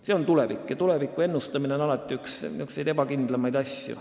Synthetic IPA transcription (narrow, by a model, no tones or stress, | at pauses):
se̞o̞nt̪ule̞vikːˑjɑt̪ule̞vikːˑue̞nːust̪ɑmine̞onɑlɑt̪ːˑiyksyksejd̪e̞bɑkind̪̥lɑmɑjd̪ɑsʲjṵ